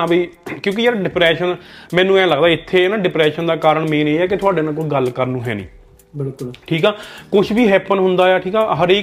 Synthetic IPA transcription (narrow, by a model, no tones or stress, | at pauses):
aːbiːkjõːk̬ɪd͡ʒeːaɖɪpɾɛːʃənmɛ̃ːnːũːɛ̃ːləɡd̪aːɪt̪ʰːeːnaːɖɪpɾɛːʃənd̪aːkaːɾəɳmẽːneːɛːk̬ɪt̪ʰʊaːɖeːnaːlkot͡ʃɡəlkəɾnũːɦɛ̰ːnḭ̃ː | bɪlkʊʈʰiːkɛːkʊʃʰbiːɦɛːpənɦʊnd̪aːjɛːʈʰiːkɛːɦəɾeːk